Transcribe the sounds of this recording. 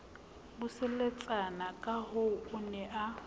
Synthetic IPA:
bʊsɛlet͡sʼanakʼaɦoʊnɛʔa

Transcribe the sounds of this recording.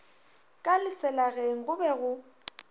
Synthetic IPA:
kʼalɪsɛlaɣeŋ̩ɣʊbɛɣʊ

